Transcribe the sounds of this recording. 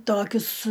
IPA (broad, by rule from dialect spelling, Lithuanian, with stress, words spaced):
ˈtoːkʲʊs